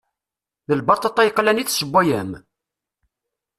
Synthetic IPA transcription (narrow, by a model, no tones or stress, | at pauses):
ðəlbɑt̪ˤət̪ˤːɑjəqːlæniθsəbʷːæjæm